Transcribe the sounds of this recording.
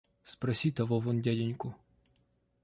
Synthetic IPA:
spɾɐsʲit̪ɐʋɔʋɔndʲadʲɪnʲkʊ

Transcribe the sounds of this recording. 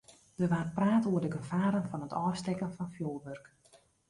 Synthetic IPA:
d̥ərʋaːrpraːtuərdəɡəfaːɾənfɔnɦətʰɔːstɛkənfɔnfjoːlˠʋørk

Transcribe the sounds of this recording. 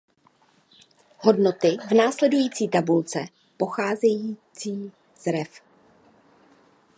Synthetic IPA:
ɦo̞dno̞t̪ɪvnaːslɛdujiːt͡siːt̪abult͡sɛ | po̞xaːzɛjiːt͡siː | z̥ɾɛf

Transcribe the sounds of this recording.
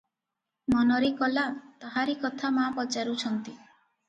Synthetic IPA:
mɔnɔɾekɔlat̪ɔɦaɾikɔt̪ʰamapɔt͡ʃaɾut͡ʃʰɔnt̪i

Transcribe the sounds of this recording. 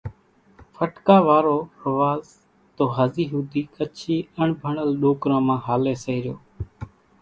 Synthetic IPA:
fʰəʈkaːʋaːɾoːəʋaːz | t̪oːɦəziːɦuːd̪ʱiːkət͡ʃʰiːəɳbʱəɳəlɗoːkɾãːmãːɦaːleːsəiːɾɪjoː

